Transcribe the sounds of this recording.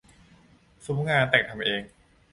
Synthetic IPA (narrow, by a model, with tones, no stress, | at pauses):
su˨˩˦mŋaː˧nt̪ɛː˨˩k̚t̪ʰa˧mʔeː˧ŋ